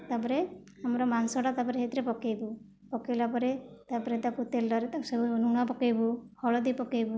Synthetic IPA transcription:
t̪apɔɾe | amɔɾɔmansɔʈat̪apɔɾeɦet̪ɾepɔkejbu | pɔkejlapɔɾet̪apɔɾet̪aput̪elːɔɾet̪asɔbunuɽ̃apɔkejbuhɔɭɔd̪ipɔkejbu

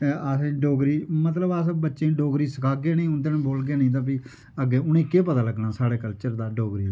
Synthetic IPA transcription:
əsẽːɖoːɡɾiːmət̪ləbəsbətːʃẽːɖoːɡɾiːsəkʰaːɡeːneĩːʊnd̪enːboːlɡeːnẽĩːt̪̬ãːpi | əɡeːʊnẽːkeːpət̪aːləɡnaːsaːɽeːkəlt͡ʃəɾd̪aːɖoːɡɾiː

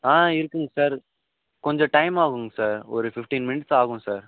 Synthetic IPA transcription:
aːɪɾɯkːɯŋɡɐsaːɾ | kɔɲd͡ʒɔ̃ʈɐɪmaːɣɯŋɡɐsaːɾɔɾɯfɪfʈĩːnmɪnɪʈsaːɣɯ̃saːɾ

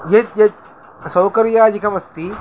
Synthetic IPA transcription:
jet̪jet̪̚ | sɐwkɐɾjaːd͡ʒikɐmɐst̪i

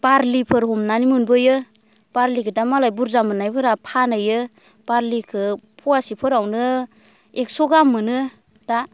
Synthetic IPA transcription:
b̥aɾlipʰɯɾhɔmnanimunbɯjɯ | b̥aɾlikʰɯdamalajbuɾzamɯnajbɯɾapʰanɯjɯ | b̥aɾlikʰɯpʰuwasipʰɯɾawnɯ | ek̚sɔɡamːɯnɯ | d̥a

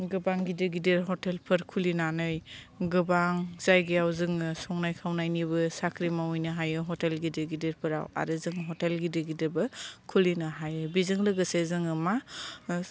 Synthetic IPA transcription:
ɡɯbaŋɡidɯɡideɾɦɔtelpʰɯɾkʰulinanɯj | ɡɯbaŋzajɡiawzɯŋɯsɔŋnajkʰawnajniβɯsakʰɾimawujnɯɦajɯɦɔtelɡidɯɡideɾpʰɯɾa̰wa̰ɾɯzɯŋɦɔtelɡidɯɡidɯbɯkʰulinɯɦajɯbizɯŋlɯɡɯsezɯŋɯma

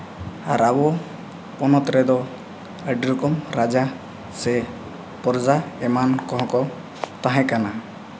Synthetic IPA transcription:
aɾabɔ | pɔnɔt̪ɾɛd̪ɔ | əɖiɾɔkɔmɾad͡ʒa | sɛ | pɔɾzaɛmankɔɦɔ̃kɔ | t̪ãɦɛ̃kana

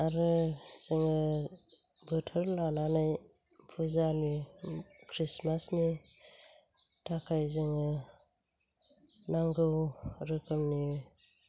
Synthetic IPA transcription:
aɾɯz̥ɯŋɯ | bɯtʰɯɾlananaj | pʰuzani | kʰɾismasni | tʰakʰajzɯŋɯ | naŋɡɯwɾɯkʰɯmni

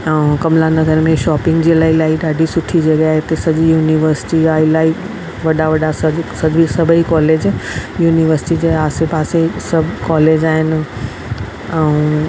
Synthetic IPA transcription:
ɛũkɐmlanɐɡəɾmẽʃɔːpɪ̃ŋɡd͡ʑiːlaːilaːiɗaːɖʱisʊʈʰid͡ʑeɡeaːɦet̪ɐsɐʄijuːniʋəɾsɪ̥ʈiaːilaːi | ʋɐɗaʋɐɗasɐsɐʄisɐbʱəikɔːleːd͡ʑjuːniʋəɾsɪ̥ʈid͡ʑeaːsepaːsesɐbʱkɔːleːd͡ʑaːɦɪnɪ̆ | ɛũ

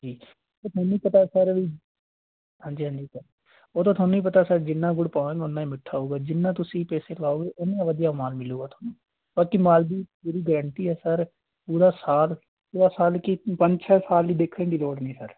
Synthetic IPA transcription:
d͡ʒiː | õːt̪ʰaːnũːiːpət̪aːsəɾiː | ɦãːɲd͡ʒiːɦãːɲd͡ʒiːsəɾ | oːt̪õːt̪ʰaːnũːĩːpət̪aːsəɾd͡ʒɪnːãːɡʊɽpaːẽːŋɡʊnːãːimɪʈʰːaːɦuːɡaːd͡ʒɪnːãːt̪ʊsĩːpɛːseːklaːoːɡeːʔɪnːãːʋəd̪ijaːmaːlmɪloːɡaːt̪ʰoːnũː | baːkimaːld̪iːpuːɾiːɡəɾəɳt̪iːɛːsəɾ | puːɾaːsaːl | puːɽaːsaːlkɪpəɲd͡ʒt͡ʃʰaːsaːliːd̪eːkʰːẽːɡ̪iːloːɽnĩːsəɾ

